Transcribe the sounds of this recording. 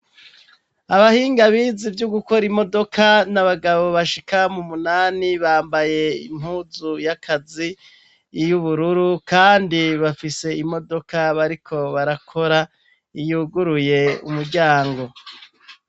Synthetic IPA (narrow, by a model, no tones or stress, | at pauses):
aβahiːŋɡaβizivjuɡuko̞ɾimo̞do̞kʰanaβaɡaβo̞βaʃikamumunaːniβaːmbaje̞ḭmhuːzujakʰazi | juβuɾuɾukaːndiβafise̞imo̞do̞kaβaɾikʰo̞βaɾakʰo̞ɾa | ijuɡuɾuje̞ṵmuɾɟaːŋɡo̞